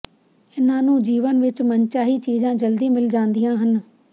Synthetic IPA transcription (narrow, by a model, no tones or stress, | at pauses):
ɪnãːnũːd͡ʒiːʋənʋɪt͡ʃmənt͡ʃaːɦiːt͡ʃiːzãːd͡ʒəld̪iːmɪld͡ʒãːnd̪ijãːɦən